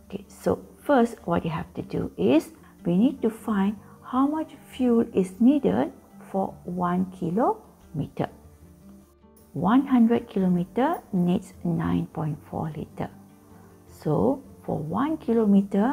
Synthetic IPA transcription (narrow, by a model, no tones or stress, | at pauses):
okeso̰fəstwɔt̚juɦɛftudṵɪs | winid̚tufãɪ̃ndhawmat͡ʃfjulɪsnidə̰d̚fɔwãnkʰilo | mitə̰ | wãnhãndɹəd̚kʰilomitənitsnã̰j̃npɔ̃j̃ntfɔ̰lḭtə̰ | sofɔ̰wãnkʰilomitə